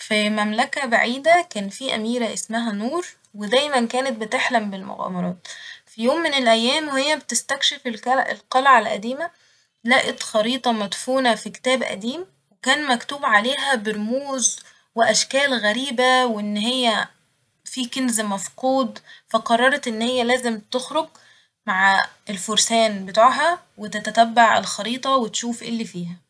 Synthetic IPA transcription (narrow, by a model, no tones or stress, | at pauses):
fimæmlækæbaʕiːd̪ækæːnfiːʔæ̰miːɾæʔesmæɦænuːɾˤ | wed̪æːjmænkæːnet̪̚bet̪eħlæmbelmo̰ɣæ̰ːmɑɾˤɑːt̪fijoːmːenelʔæjːæːmhejːæbet̪est̪ækʃefelɑʔḛlqɑlʕalʔæ̰d̪iːmæ | læːʔet̪xɑɾiːt̪ˤɑmæd̪fuːnæfike̥t̪æːbʔæ̰d̪iːm | wekæːnmækt̪uːbʕaleːɦæbeɾomuːz | weʔæʃkæːlɣæɾiːbæwʔenːɦejːæ | fiːkenzmɑfquːd̪ˤfæqɑrˤːɑɾˤɑt̪ʔenːhejːælæːzemt̪oxɾoɡ̚ | maʕelfoɾsæːnbet̪aːʕɦæ | wet̪æt̪æt̪æbːaʕḛlxɑɾiːt̪ˤɑwet̪ʃuːfʔelːifiːhæ